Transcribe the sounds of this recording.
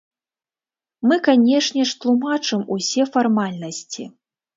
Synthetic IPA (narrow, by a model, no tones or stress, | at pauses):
mɨkanʲɛʂnʲɛʂt̪lˠumat͡ʂɨmusʲɛfarmalʲnɐsʲt͡sʲḭ